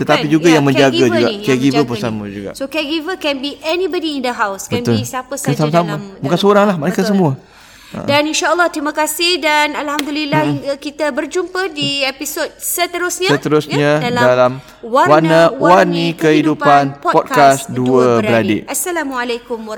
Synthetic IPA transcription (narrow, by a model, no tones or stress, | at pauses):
t̪ət̪apid͡ʒuɡajaŋmə̃ɲd͡ʒaɡɡad͡ʒuɡakɛɡivəbəsamãd͡ʒuɡa̰ʔsokɛɡivəkɛnbiʔɛnibədiːnd̪əɦawsbəɛ̃nt̪olsapəsasamasamabukansəoɾaŋlahmanakats̬əmũə̰̃ | daninʃaəlːɔht̪ɾimãkasɪhdanalhamd̪ulilːakit̪əbərd͡ʒumpədiepisot̚sət̪əɾusɲãsət̪əɾusɲãdaldalam | wawannawwanĩkəhidupanppɔd̚kasduəbəɾadḛasːalamualakʊmw